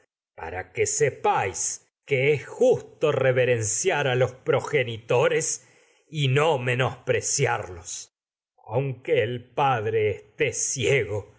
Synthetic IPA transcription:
pa̰ɾa̰kesepajs | keesxust̪o̞reβeɾensjaɾalo̞spɾo̞xenit̪o̞ɾes | inome̞no̞spɾesja̰ɾlos | a̰wŋkeːlpaðɾe̞ːst̪esjeɣo

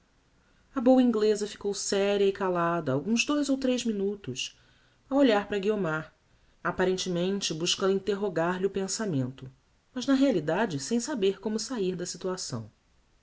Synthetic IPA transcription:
ɐbowɐĩŋɡlezɐfi̥kowsɛɾiɐikalad̪ɐawɡũzd̪ojzowt̪ɾejzminut̪ʊs | awoʎaɾpɾɐɡiomaɾ | apaɾẽnt͡ʃɪmẽnt͡ʃɪbuʃkɐ̃d̪ʊĩt̪eɦoɡaɾlɪʊpẽsamẽnt̪ʊ | mɐʒnɐɦealid̪ad͡ʒɪsẽj̃sabeɾkõmʊsaiɾd̪ɐsit̪uasɐ̰̃w̃

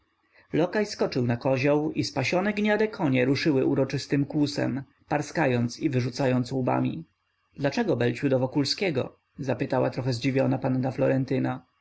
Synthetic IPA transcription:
lɔkajskɔt͡ʂɘwnakɔʑawispaɕɔnɛɡɲad̪ɛkʰɔɲɛɾuʂɘwɘʔuɾɔt͡ʂɘst̪ɘmkwusɛ̰m | paɾskajɔnt̪sivɘʐut̪sajɔnt̪suba̰mʲḭ | d̪lat͡ʂɛɡɔbɛlt͡ɕud̪ɔvɔkulskʲɛɡɔ̰ | zapɘt̪awa̰t̪ɾɔxɛzd͡ʑivʲjɔnapanːaflɔɾɛnt̪ɘna

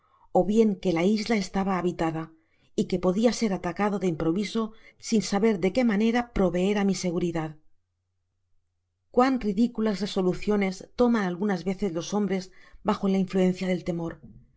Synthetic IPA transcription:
o̞βje̞ŋke̞laizlae̞st̪aβaːβit̪aða | ike̞po̞ðiase̞ɾat̪akaðo̞ðe̞impɾo̞βiso̞sinsaβe̞ɾðe̞ke̞mane̞ɾapɾo̞βe̞e̞ɾamise̞ɣ̞uɾiðað | kwanriðikulazre̞so̞luθjo̞ne̞st̪o̞manalɣunazβe̞θe̞zlo̞so̞mbɾe̞zbaxo̞laiɱfluẽ̞n̟θjað̞e̞lt̪e̞mo̞ɾ

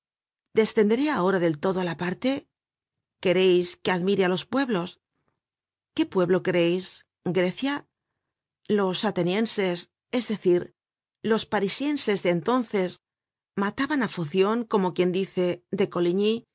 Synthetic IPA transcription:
d̪e̞sθe̞nd̪eɾeao̞ɾaðe̞lt̪o̞ðo̞alapaɾt̪e̞ | ke̞ɾe̞jske̞aðmiɾealo̞spwe̞βlo̞s | ke̞pwe̞βlo̞keɾe̞js | ɡɾe̞θja | lo̞sat̪e̞nje̞nse̞s | e̞zðe̞θiɾ | lospaɾisje̞nse̞zðeːnt̪o̞nθe̞s | mat̪aβanafuθjo̞ŋko̞mo̞kje̞nd̪iθe̞ðe̞ko̞liɲi

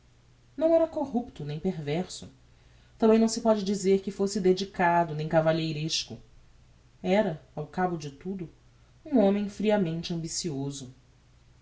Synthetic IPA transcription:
nɐ̃w̃ɛɾɐkoɦupt̪ʊnẽj̃peɾvɛɾsʊ | t̪ɐ̃bẽj̃nɐ̃w̃sɪpɔd͡ʒɪd͡ʒizeɾkɪfosɪd̪ed͡ʒikad̪ʊnẽj̃kavaʎejɾeʃkʊ̰ | ɛɾɐawkabʊd͡ʒɪt̪ud̪ʊ | ũõmẽj̃fɾiɐmẽnt͡ʃɪɐ̃mbisiozʊ

